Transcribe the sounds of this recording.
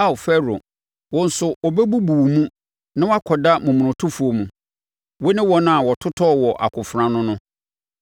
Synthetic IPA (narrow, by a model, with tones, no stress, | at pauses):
a˦˨fɛ˦ɾo̰˨ | wɔ̃˦n̩˨sʊ˨ʔɔ˨bɛ˦bu˦bu˨mũ˦ | nã˦wa˦kʰɔ˨da˦mũ˨mʊ̃˨ɾʊ̃˨tʰʊ˦fu˨o˨mũ˨ | wɔ˦nɪ̃˦wɔ˦nʊ̃˦a˨wɔ˨tʰʊ˦tʰɔ˦˨wɔ˨ʔa̰˨kʰʊ˨fɾã˦nʊ̃˦nʊ̃˦